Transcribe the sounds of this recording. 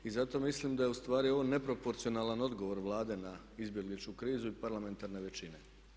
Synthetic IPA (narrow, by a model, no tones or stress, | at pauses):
izat̪o̞mislimd̪aje̞ust̪ʋaːɾio̞ʋone̞pɾo̞po̞ɾt̪sio̞naːlˠano̞d̪ɡo̞ʋo̞ɾʋlˠaːd̪e̞na | izbje̞ɡlit͡ʃkukɾiːzuipaɾlˠame̞nt̪aɾne̞ʋe̞t͡ɕine̞